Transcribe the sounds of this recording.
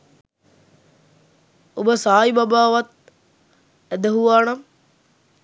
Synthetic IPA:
obəsaːjibabaːʋat̪̚ | æd̪əɦuʋaːnam

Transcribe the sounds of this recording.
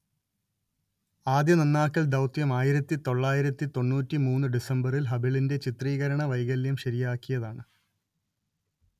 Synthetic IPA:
aːd̪jɐnɐnːaːkːɐɭd̪ɐwt̪jɐmaːjiɾɐt̪ːit̪o̞ɭːaːjiɾɐt̪ːit̪o̞nːuːtːimuːnːɨɖisɐmbɐrilɦɐbiɭinde̞t͡ɕit̪riːɣɐɾɐɳɐʋɐjɣɐljɐmɕɐɾijaːkːijɐðaːɳɨ

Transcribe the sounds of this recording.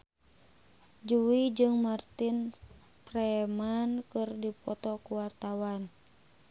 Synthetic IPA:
d͡ʒuwid͡ʒɨŋmart̪in | prɛmankɨrdipɔt̪ɔkuwart̪awan

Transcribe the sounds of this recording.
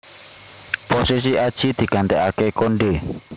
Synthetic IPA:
posis̬iʔad̥ʒ̥i̤d̪̥i̤ɡ̥a̤nt̪ɛkakekoɳɖe

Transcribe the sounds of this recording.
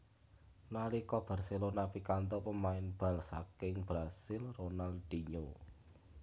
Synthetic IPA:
nalikɔb̥a̤rsilonapikant̪ɔpəmaɪnb̥ä̤lsa̰kɪŋb̥ɾasɪlronald̪̥iɲo

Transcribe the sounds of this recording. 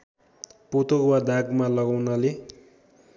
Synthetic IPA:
pot̪owad̪aɡmalʌɡawnʌle

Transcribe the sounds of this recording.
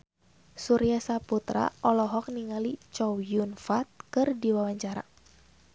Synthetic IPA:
suɾiasaput̪ɾa̰ʔɔlɔɦɔk̚niŋalit͡ʃɔwjunfat̪̚kɨrdiwawaɲt͡ʃaɾa̰

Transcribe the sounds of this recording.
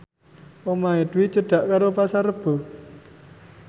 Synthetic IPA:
wɔmaed̪̥wit͡ʃəɖ̥a̤ʔkaɾopasaɾəb̥ɔ̤

